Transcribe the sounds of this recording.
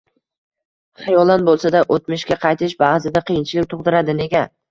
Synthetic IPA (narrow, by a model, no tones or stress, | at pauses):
χɑjɒlˠanbolˠsad̪aʔot̪mɪʃkʲaqʰɑjt̪ʰɪʃbazɪd̪aqʰɨjɪnt͡ʃʰɪlɪk̚ʲt̪ʰoqd̪ɪɾad̪ɪne̞ɡʲa